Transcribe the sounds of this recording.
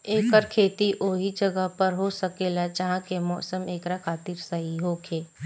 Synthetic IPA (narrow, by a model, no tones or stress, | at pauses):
eːkəɾkʰeːt̪iʔʔoːɦid͡ʒɐɡəɦpəɾɦosəkeːlad͡ʒəɦãkemɔːsəmeːkɾakʰaːt̪iɾsəɦiɦokʰeː